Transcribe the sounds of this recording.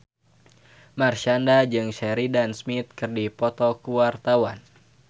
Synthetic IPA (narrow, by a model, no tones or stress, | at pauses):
marʃandad͡ʒɨŋʃɛɾidansmit̪̚kɨrdipɔt̪ɔkuwart̪awan